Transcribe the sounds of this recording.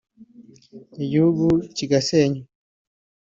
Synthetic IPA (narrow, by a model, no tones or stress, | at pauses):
iɟihuɡuciɡaseːɲu